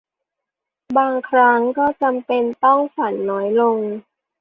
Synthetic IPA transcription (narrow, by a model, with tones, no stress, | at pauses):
baː˧ŋkʰɾa˦˥ŋkɔː˥˩t͡ɕa˧mpe˧nt̪ɔ˥˩ŋfa˩˦nːɔː˦˥jlo˧ŋ